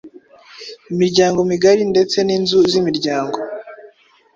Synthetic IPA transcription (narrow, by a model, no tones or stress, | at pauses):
imiɾɟaːŋɡo̞miɡaɾinde̞t͡se̞niːnzuzimiɾɟaːŋɡo̞